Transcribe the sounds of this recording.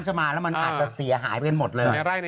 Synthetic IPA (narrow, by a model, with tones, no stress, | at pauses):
t͡ɕʰa˧˩maː˧lɛ˦˥wma˧nʔʔaː˨˩t̪̚t͡ɕa˨˩si˨˩˦ɐɦa̰ː˩˦jpa˧jka˧nmo˨˩t̪̚lɤː˧ɾa˥˩j